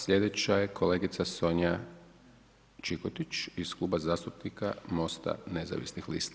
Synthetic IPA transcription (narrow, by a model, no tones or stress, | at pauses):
sʎʲe̞d̪e̞t͡ɕaje̞kʰole̞ːɡit̪saso̞ɲa | t͡ʃikot̪it͡ʃisklˠuːbazaːst̪upnikamo̞st̪a̰ne̞za̰ʋḭsnixlḭːst̪a